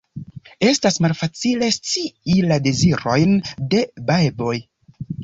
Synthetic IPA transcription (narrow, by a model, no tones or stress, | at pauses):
e̞stasmalfat͡sile̞st͡siilade̞ziɾo̞jnde̞bajbo̞j